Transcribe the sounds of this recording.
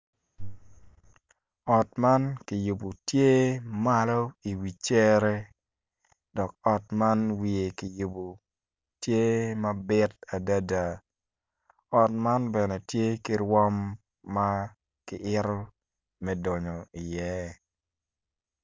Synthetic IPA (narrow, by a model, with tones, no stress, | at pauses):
ɔ˨tma˦nki˨ju˨bu˨tje˦ma˦lɔ˦i˨wi˨t͡ʃɛ˦ɾɛ˦ | dɔ˨k̚ɔ˨tma˦nwi˨e˨kɪ˨ju˨bu˨ | tje˦mɐ˦bɪ˦ta˨da˦da˨ | ɔ˨tma˦nbɛ˨nɛ˨tje˦ki˦ɾwɔ˦mː | a˦ | kɪ˨ʔɪ˦ɾɔ˦ | mɛ˦dɔ˨ɲɔ˨ɪ˨jɛ˦